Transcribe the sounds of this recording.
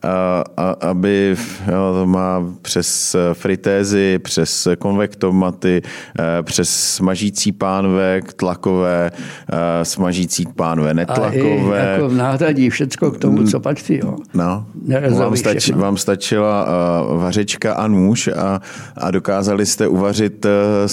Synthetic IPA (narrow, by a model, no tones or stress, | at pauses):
aaʔabɪjot̪omaːpr̝̥ɛsfɾɪt̪ɛːzɪpr̝̥ɛsko̞nvɛkt̪omat̪ɪpr̝̥ɛsːmaʒiːt͡siːpaːnvɛkt̪lakovɛː | smaʒiːt͡siːpaːnovɛːnɛt̪lakovɛjaːkovnaːɦɾaɟifʃɛt͡skokt̪omut͡sopat͡ʃsɪjo̰nonɛɾovaːmsit̪vaːmst̪at͡ʃɪlavarɛt͡ʃkaʔanuːʃa | a̰do̞kaːzalɪst̪ɛʔuvarɪt̪